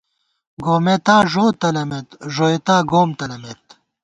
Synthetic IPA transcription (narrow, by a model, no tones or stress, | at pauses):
ɡoːmet̪aːʐoːt̪ɐlɐmet̪ʐoːet̪aːɡoːmt̪ɐlɐmet̪